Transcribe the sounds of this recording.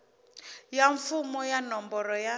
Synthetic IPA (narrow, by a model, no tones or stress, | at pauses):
jaɱfumɔjanɔmbɔɾɔja